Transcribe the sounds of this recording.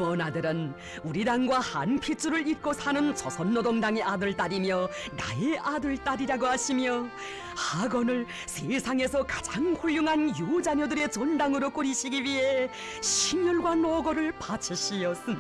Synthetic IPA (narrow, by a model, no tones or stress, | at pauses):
ʌnadɯɾɯn | uɾidaŋɡwaha̰npʰit͡ɕ͈ʰuɾɯɭit̚k͈osʰanɯnt͡ɕʌsʰʌnːodoŋdaŋe̞ʔadɯɭt͈aɾimjʌ | na̰eʔadɯɭt͈aɾiɾaɡohaɕʰimjʌ | haɡʌnɯɭ | sʰesʰaŋe̞sʰʌkḁd͡ʑaŋhuʎːuŋɦanjud͡ʑaɲʌdɯɾe̞t͡ɕondaŋɯɾok͈uɾiɕʰiɡiwiɦe̞ | ɕʰimjʌɭɡwanoɡʌɾɯɭpat͡ɕʰiɕʰijʌs͈ɯn